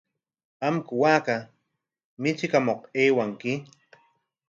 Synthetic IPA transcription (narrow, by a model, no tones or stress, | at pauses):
amkʊwaːka | mɪt͡ʃɪkamoqeːwaŋkɪ